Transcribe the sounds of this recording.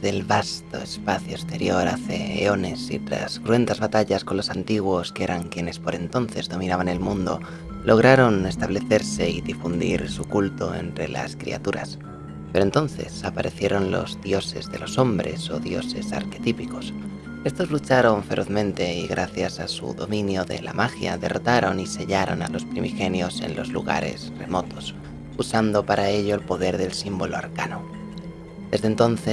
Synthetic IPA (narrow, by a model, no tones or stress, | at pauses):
ðe̞lβast̪o̞e̞spaθjoest̪e̞ɾjo̞ɾaθe̞ḛo̞ne̞sḭt̪ɾa̰skɾue̞nt̪azβat̪aʎasko̞nlo̞sant̪iɣ̞wo̞skee̞ɾʔaŋkjene̞spo̞ɾe̞nt̪o̞nθe̞zðo̞minaβane̞lmũnd̪o̞̰ | lʔo̞ɣ̞ɾaɾo̞ne̞st̪aβle̞θe̞ɾse̞iðifund̪ḭɾsukult̪o̞e̞̰nt̪ɾe̞la̰skɾḭa̰t̪uɾa̰s | pe̞ɾont̪o̞n̟θe̞̰sapaɾʔeθje̞ɾo̞nlo̞̰zðjo̞se̞zðe̞lo̞so̞mbɾe̞so̞ðjo̞̰se̞sa̰ɾke̞t̪ipiko̞s | e̞st̪o̞zlut͡ʃaɾo̞ɱfe̞ɾʔo̞θmẽ̞nt̪e̞iɣɾaθjasasṵðo̞mĩnjoðe̞̰la̰maxja̰ðe̞rot̪aɾo̞nise̞ʎaɾo̞̰na̰lo̞spɾimixe̞njo̞se̞̰nlo̞zlṵɣa̰ɾe̞̰sre̞̰mo̞t̪o̞s | usand̪o̞paɾʔae̞ʎo̞elpo̞ðe̞ɾðe̞lsimbo̞loaɾkano | d̪e̞zðent̪onθe